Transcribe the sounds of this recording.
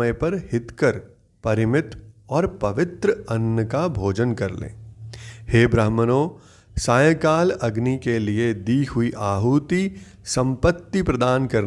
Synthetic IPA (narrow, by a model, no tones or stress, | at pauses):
əjpɐɾhɪt̪kəɾ | pɐɾɪmɪt̪ɔːɾpɐʋɪt̪ɾəɐnːəkabʱoːd͡ʒənkɐɾlḛ̃ːheːbɾəɦmənõː | saːjə̃kaːlɐɡnikelied̪iːɦʊiʔaːɦuːt̪i | sɐ̃mpət̪ːipɾɐd̪aːnkɐɾ